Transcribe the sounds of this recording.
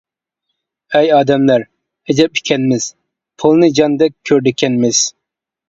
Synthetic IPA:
ɛjɑːd̪ɛmlæɾ | ɛd͡ʒ̪ɛp̚i̥kʲʰɛnmɪz̥ | pʰulˠnɨd͡ʒɑnd̪ɛk̚ʲʰːøɾd̪ɪkʲʰɛnmɪz̥

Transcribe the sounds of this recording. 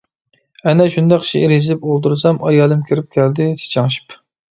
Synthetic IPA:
ɛnɛʃund̪ɛqt͡ʃʰiɾizɪpolˠt̪uɾsɑmʔɑjɑːlˠɨmkʲʰiɾɪp̚kʲʰæld̪ɪt̪ʰe̥t͡ʃʰɑŋʃi̥p

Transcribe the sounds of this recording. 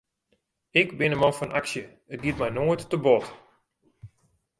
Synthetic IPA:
ɪkbɪnəmɔfɔnʔa̰ksjə | ət̚ɡit̚mɛjnoːjtːəbɔt

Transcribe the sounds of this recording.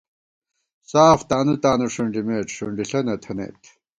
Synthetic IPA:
saːft̪aːnut̪aːnuʂuɳɖimeːʈ͡ʂʂuɳɖiɬɐnɐt̪ʰɐnḛːt̪

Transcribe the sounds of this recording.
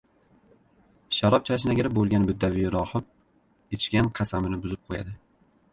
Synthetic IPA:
ʃaɾɒp̚t͡ʃʰaʃ̬naɡʲɪɾɪp̚bolˠɡʲanɪbɪd̪ːavɪɾɒhɨp̚ | et͡ʃkʲanqʰɑsamɪnɪbʊzɪp̚qʰoja̰d̪ɪ

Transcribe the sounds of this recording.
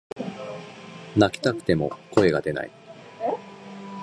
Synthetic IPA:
nakʲi̥t̪akɯ̟̥t̪e̞mo̞̰ko̞e̞ɡa̰d̪e̞na̰i

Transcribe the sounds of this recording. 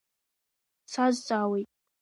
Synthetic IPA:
t͡sʰazt͡sʼaːwejtʼ

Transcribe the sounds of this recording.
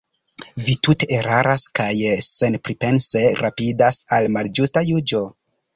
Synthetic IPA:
vitute̞ʔːɾaɾaskajse̞npɾipe̞nse̞ɾʔapidasalmald͡ʒustajud͡ʒo̞

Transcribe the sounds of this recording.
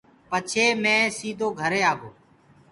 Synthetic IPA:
pət͡ʃʰeːmẽːsiːd̪ʱoːɡʱəɾeːaːɡoː

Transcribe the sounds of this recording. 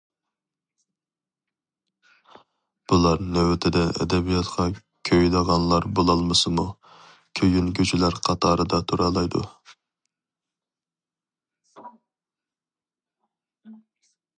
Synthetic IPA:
b̥ulˠɑɾnɛwɪt̪ʰɪd̪ɛʔɛ̰d̪ɛbijɑt̪qʰɑ | kʲʰøjləʁɑnlˠɑɾbolˠɑlˠmɨsɨmu | kʲʰøjynkʲʰøt͡ʃʰilæɾqʰɑt̪ʰɑːɾɨd̪ɑt̪ʰuɾɑlˠɑjd̪ṵ

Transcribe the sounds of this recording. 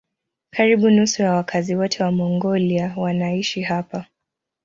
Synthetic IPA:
kʰaɾiɓunusujawakʰaziwɔtʰɛwamɔŋɡɔliawanaiʃiɦapa

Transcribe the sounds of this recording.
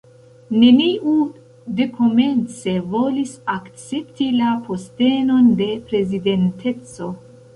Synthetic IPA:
ne̞niʔu | de̞kʰome̞nt͡se̞vo̞lisakt͡se̞ptilaposte̞no̞nde̞pɾe̞zide̞ntʰe̞t͡so̞

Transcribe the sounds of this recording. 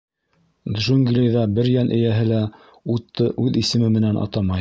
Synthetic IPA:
d̪ʒuŋɡlʲejðɑbɘɾjænʔɘ̆jæɦɘlæ | ut̪ːɤʔʉðisɘ̆mɘmɘ̆nænɑ̰t̪ɑmɑj

